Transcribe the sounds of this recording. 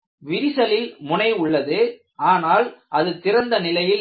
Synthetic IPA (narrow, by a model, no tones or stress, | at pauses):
ʋɪɾɪsɐlɪlmʊnɐɪʊɭːɐðɯ | aːnaːlʔɐðɯt̪ɪɾɐnd̪ɐnɪlɐjɪl